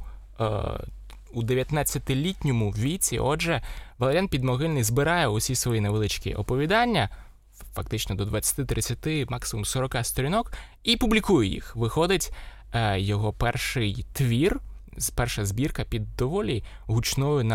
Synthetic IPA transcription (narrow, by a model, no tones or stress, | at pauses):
ud̪eʋʲjɐt̪nat͡sʲːɐt̪ɪlʲitʲnʲɔmʊʋʲit͡sʲḭʔɔd͡ʒɛʋɐlˠɐɾʲjanpʲid̪mɔɦɪlʲnɪjzbɪɾɑjɛʊsʲisʋɔjineʋelˠɪt͡ʃkʲḭʔɔpɔʋʲid̪ɑnʲːɐ | fɐk̚t̪ɪt͡ʃnɔd̪ɔd̪ʋɐt͡sʲːɐ̥t̪ɪt̪ɾɪt͡sʲːɐt̪ɪmɑksɪmumsɔɾɔkɑst̪ɔɾʲinɔk | ipublʲikujɛjḭxʋɪxɔd̪ɪtʲ | jɔɦɔpɛrʃɪjt̪ʋʲir | pɛrʃɐzbʲirkɐpʲid̪ːɔʋɔlʲi | ɦut͡ʃnɔjʊnɐ